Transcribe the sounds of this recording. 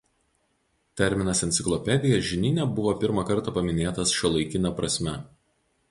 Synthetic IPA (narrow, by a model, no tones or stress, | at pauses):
t̪ʲɛɾʲmʲɪnɐsɛnt̪sʲɪklˠɔpʲɛd̪ʲɪjɛʒʲɪnʲɪnʲɛbʊʋoːpʲɪɾmɑkɐɾt̪ɑːˑpɐmʲɪnʲeːt̪ɐsʃʲɔlˠɐɪkʲɪnʲɐpɾɐsʲmʲɛ